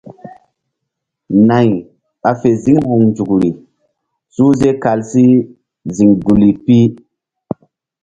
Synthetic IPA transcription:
na˨j | ɓa˨fe˨zi˦ŋhu˨ŋnd͡ʒu˨kɾi˨ | su˦ze˦ka˨lsi˦ | zi˨ŋɡu˨li˨pi˦

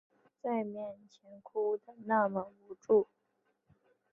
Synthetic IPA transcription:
t͡sa˥˧ɪmjɛ˥˩nt͡ɕʰjɛ˧˥nkʰu˥t̪ə˨˩ŋna˥˩mə˧˥ŋu˧˥ʈ͡ʂu˥˩

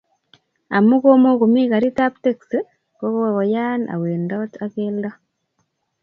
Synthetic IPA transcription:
a˨mu˦ɣo˦mo˦ku˨miɣa˨ɾita˦pteks | ko˦koɣo˨jana̰˨weːndata˦keːlda

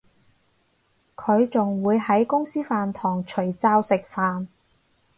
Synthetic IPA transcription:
kʰɵ˨˧ɥt͡sʊ˨ŋwuː˨˧jhɐ˨˥jkʊ˥ŋsiː˥faː˨nt̪ʰɔː˨˩ŋt͡ʃʰɵ˨˩ɥt͡saː˧wsɪ˨k̚faː˨n

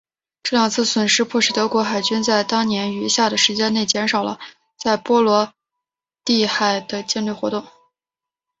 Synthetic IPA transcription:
ʈ͡ʂɤ˥˩ljɑ˨˩ŋt͡sʰɹ̩˥˩swə˨˩nʂɻ̩˥pʰwɔ˥˧ʂɻ̩˥˩t̪ɤ˧˥kwɔ˧˥xa˨˩ɪt͡ɕy˥nt͡sa˥˩ɪt̪ɑ˥ŋnjɛ˧˥ny˧˥ɕja˥˩d̪ə˩ʂɻ̩˧˥t͡ɕjɛ˥ne˥˩ɪt͡ɕjɛ˧˥nʂɑ˨˩ʊlə̰˦ | t͡sa˥˩ɪpwɔ˥lwɔ˧˥ | t̪i˥˧xa˥˩ɪd̪ə˩t͡ɕjɛ˥˧nly˥˩xwɔ˧˥t̪ʊ˥˩ŋ

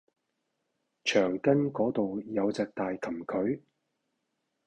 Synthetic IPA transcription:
t͡ʃʰœː˨˩ŋkɐ˥nkɔː˨˥t̪o˨wjɐ˨˧wt͡sɛː˨k̚t̪aː˨jkʰɐ˨˩mkʰɵ˨˥ɥ

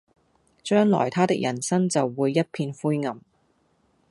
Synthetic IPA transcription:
t͡ʃœː˥ŋlɔ̰ː˨˩jt̪ʰaː˥t̪ɪ˥k̚jʔɐ̰˨˩nsɐ˥ŋt͡sɐ˨wːuː˨˧jːɐ˥t̚pʰiː˧nfuː˥jŋɐ˨˩m

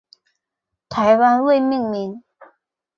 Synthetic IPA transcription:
t̪ʰa˨˧˥jwa˥nwe˥˨mi˥˨ŋmi˨˥n

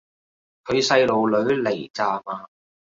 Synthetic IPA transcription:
kʰɵ˨˧ɥsɐ˧jlo˨˩wlɵ˨˥ɥle˨˩jt͡saː˨˧maː˨˧

